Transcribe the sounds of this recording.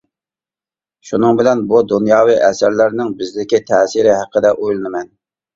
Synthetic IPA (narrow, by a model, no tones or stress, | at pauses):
ʃunɨŋbɪlɛnbud̪unjɑːwiʔɛsæɾlæɾnɪŋbɪzlɪkʲit̪ʰɛːsɪɾɪɦæqʰːəd̪ɛʔojlˠɨnɨmɛn